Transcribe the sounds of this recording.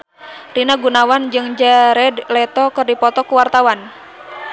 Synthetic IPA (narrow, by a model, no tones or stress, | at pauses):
rinaɡunawand͡ʒɨŋd͡ʒaɾɛdlɛt̪ɔkɨrdipɔt̪ɔkuwart̪awan